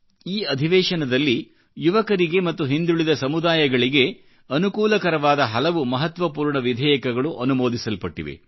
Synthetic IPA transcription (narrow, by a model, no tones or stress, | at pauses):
iːɐd̪ʱiʋɛːʂɐnɐd̪ɐlːi | juʋɐkɐɾiɡe̞mɐt̪ːuɦind̪uɭid̪ɐsɐmud̪aːjɐɡɐɭiɡe̞ | ɐnukuːlɐkɐɾɐʋaːd̪ɐɦɐlɐʋumɐɦɐt̪ʋɐpuːɾɳɐʋid̪ʱɛːjɐkɐɡɐɭuʔɐnumoːd̪isɐlpɐʈːḭʋḛ